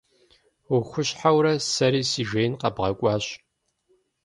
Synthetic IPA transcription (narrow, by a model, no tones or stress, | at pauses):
ʊxʷʊɕħawɾɐsɐɾiːsiːʒejnqɐbʁɐkʷʼɑːɕ